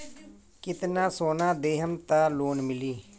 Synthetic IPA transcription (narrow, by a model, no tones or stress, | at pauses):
kɪt̪nãːsoːnaːd̪eːɦəmt̪aːloːnmɪliː